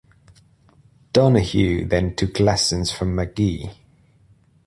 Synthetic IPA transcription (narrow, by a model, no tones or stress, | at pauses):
d̥ɒnəhjʉːðə̃ntʰʊkʰlɛsə̃nz̥fɹə̃mːəɡ̥i